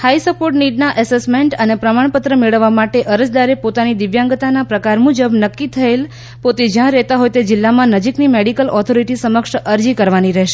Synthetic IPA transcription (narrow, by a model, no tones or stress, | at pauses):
hajsəpoɾʈniɖnaʔɛsesmeɳʈənepɾəmaɳ̃pət̪ɾəmeɭəʋːamaʈeʔəɾəd͡ʒd̪aɾepot̪anid̪ɪʋjãŋɡət̪anapɾəkaɾmud͡ʒəbnəkːit̪ʰəel | pot̪ed͡ʒjãɾɛɦt̪aɦojt̪ed͡ʒɪlːamãnəd͡ʒiknimeɽikəlʔɔt̪ʰoɾiʈisəməkʃəɾd͡ʒikəɾʋaniɾɛɦʃe